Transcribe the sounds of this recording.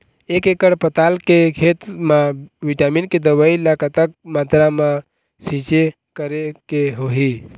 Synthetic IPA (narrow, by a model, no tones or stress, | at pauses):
eːkekəɽpət̪aːlkekʰeːt̪mãʋiʈaːminked̪əʋailakat̪ək̚mat̪ɾamã | sit͡ʃe | kəɾekeɦoɦi